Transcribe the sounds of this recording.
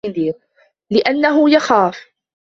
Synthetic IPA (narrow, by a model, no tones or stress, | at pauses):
ɪðiːɾ | lɪʔanːaɦʊjaxaːf